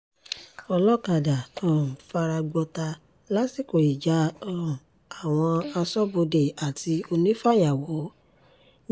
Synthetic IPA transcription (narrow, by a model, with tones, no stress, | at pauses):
ɔ˧lɔ˦ka˨da˨tã˦˨fa˧ɾa˧ɡ͡bɔ˧ta˧ | la˦si˨ko˨i˨d͡ʒã˨˦˧ | a˨w̃ɔ̃˧a˧sɔ˦bo˧de˨a˨ti˧o˧nĩ˦fa˦ja˨wɔ˨˦